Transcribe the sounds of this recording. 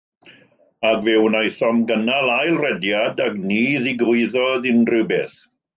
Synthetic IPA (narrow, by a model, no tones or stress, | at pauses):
aɡvɛwnajθɔmɡənalajlˠrɛdjadaɡniːðɪɡʊɨðɔðɪnrɨwbeːθ